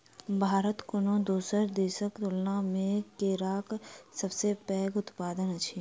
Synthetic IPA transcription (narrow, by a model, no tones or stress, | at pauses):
bʱaːɾət̪kʊnõd̪oːsəɾd̪eːsəkt̪ʊlnãmẽkeːɾaːksəbsepɛːɡʊt̪paːd̪ənɐt͡ʃʰiː